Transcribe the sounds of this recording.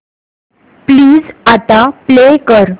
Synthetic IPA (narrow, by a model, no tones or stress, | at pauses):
pliːd͡zat̪aplekəɾ